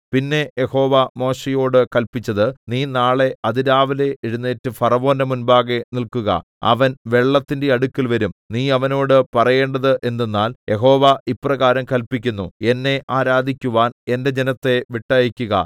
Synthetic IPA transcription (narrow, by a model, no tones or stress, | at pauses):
pinːe̞jeho̞ːʋamo̞ːɕejo̞ːɽɨkɐlpit͡ɕːɐðɨniːnaːɭe̞ɐðiɾaːʋɐle̞ʔeɻunːeːtːɨfɐrɐʋo̞ːnɐmunbaːɣe̞nilkuɣɐ̰ | ɐ̰ʋɐnʋe̞ɭːɐt̪ːindeɐɽukːilʋɐɾumniːɐʋɐno̞ːɽɨpɐrɐje̞ːɳɖɐðɨʔe̞nːenːaːljʔe̞ɦo̞ːʋaipːrɐɣaːɾɐmkɐlpik̬ʲːunːue̞nːe̞ʔaːɾaːd̪ʱikʲːuʋaːne̞nde̞d͡ʑe̞nɐt̪ːe̞ʋiʈːaːjikʲːuɣɐ̰